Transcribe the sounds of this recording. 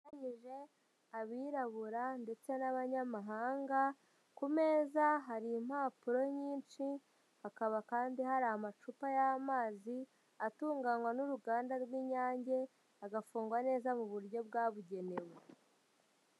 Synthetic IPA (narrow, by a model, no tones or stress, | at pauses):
aɲiʒe̞ | aβiːɾaβuɾande̞t͡se̞naβaɲamaɦaːŋɡa | kume̞ːzaɦaɾiːm̥haːpuɾo̞ɲiːnt͡ʃi | hakaβakaːndihaɾaamat͡ʃupajamaːzi | atuːŋɡanwanuɾuɡaːndaɾɡwiːɲaːɲɟe̞ | aɡafuːŋɡwane̞ːzamuβuɾɟo̞bɡaːβuɟe̞ne̞we